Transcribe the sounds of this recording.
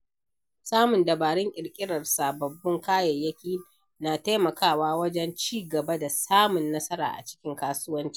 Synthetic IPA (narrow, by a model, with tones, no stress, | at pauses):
saː˦mʊ˨ndɐ˨baː˨ɽɪ˦ŋʔʲʼɪ˨ɽkʲʼɪ˦ɽɐ˨rsaː˨bɐ˨bːɪ˦ŋkaː˦jɐ˨jːɐ˦kʲiː˦ | naː˨ta˦mɐ˨kaː˦˨waː˦wɐ˦d͡ʒɛ˦nt͡ʃiː˦ɡɐ˨bɐ˦da˨saː˦mʊ˨nːɐ˦sɐ˦ɾa̰ː˨ʔa̰˨t͡ʃɪ̥˦kʲɪ˦ŋkaː˦sʊ˦wɐ˦nt͡ʃi̥˦ʔ